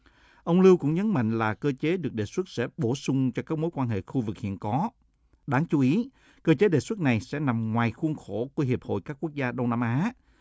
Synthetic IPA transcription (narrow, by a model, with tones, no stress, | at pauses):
ʔə˧wŋ͡mlɨ˧wkʊ̰˧˥ŋ͡mɲə˨˦nma̰˧˨jŋ̟laː˨˩kəː˧t͡ɕe˨˦ɗɨ˨˩ək̚ɗḛ˨˩swt̚sɛ̰˧˥ɓo˧˩sʊ˧ŋ͡mt͡ɕɔ˧kaː˦˥k̚mo˨˦jkwaː˧nɦḛ˧˨xu˧vɨ˨˩k̚hḭ˧˨ənkɔ˨˦ | ɗaː˨˦ŋt͡ɕu˨˦ʔi˨˦ | kəː˧t͡ɕe˨˦ɗḛ˨˩swə˦˥t̚na˨˩jsɛ̰˧˥na˨˩mŋwaː˨˩jxu˧ənxo˧˩ku˧˩ɦi˨˩əp̚ho̰˧˨jkaː˦˥kːu˦˥ək̚zaː˧ɗə˧wŋ͡mnaː˧mʔaː˨˦